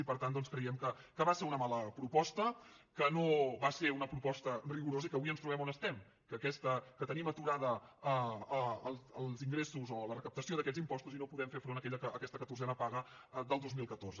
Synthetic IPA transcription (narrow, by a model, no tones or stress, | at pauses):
ipəɾt̪and̪ɔnskɾəiɛmkəkəβaseɾunəmaləpɾupɔst̪əkənoβaseɾunəpɾupɔst̪əriɣuɾozəikəβuiənst̪ɾuβɛmonəst̪ɛm | kəkɛst̪əkət̪ənimət̪uɾaðə | əːlˠzəlˠziŋɡɾesuzɔlərəkəp̚t̪əsioðəkɛzimpɔst̪uzinopuðɛmfeɾfɾonəkɛʎəkəːkɛst̪əkət̪uɾzɛnəpaɣə | d̪əlˠd̪ozmilˠkət̪orzə